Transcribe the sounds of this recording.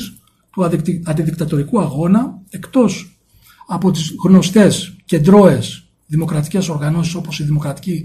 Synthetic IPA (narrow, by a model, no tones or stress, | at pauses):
s | t̪uɐt̪iɐnd̪iðikt̪ɐt̪o̞ɾikuɐɣo̞nɐe̞kt̪o̞s | ɐpo̞t̪izɣno̞st̪e̞sce̞nd̪ɾo̞e̞s | ðimo̞kɾɐt̪i̥ce̞so̞ɾɣɐno̞s̬iso̞po̞siðimo̞kɾɐt̪i̥ci